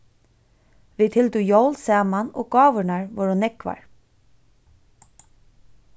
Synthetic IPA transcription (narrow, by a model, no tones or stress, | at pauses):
ʋit̪ʰɪlt̪ujowlsɛːmano̰ːɡɑːʋʏnaɹʋɔɹʊnːɛkʋa̰ɹ